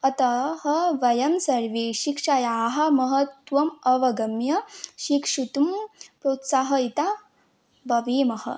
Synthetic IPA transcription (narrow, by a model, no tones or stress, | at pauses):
ɐt̪ɐɦɐʋɐjɐmsɐɾʋiʃikʂɐjaːɦɐmɐɦɐt̪ʋɐmɐʋɐɡɐmjɐʃikʂut̪umpɾot̪saɦɐit̪a | bɐʋiːmɐɦɐ̰